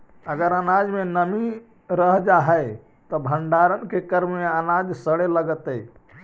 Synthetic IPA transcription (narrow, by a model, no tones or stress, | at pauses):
əɡəɾənad͡ʒmenəmi | ɾəɦd͡ʒaɦəj | t̪ɔbʱəɳɖaɾənkekəɾmmeənad͡ʒsəɽeləɡət̪əj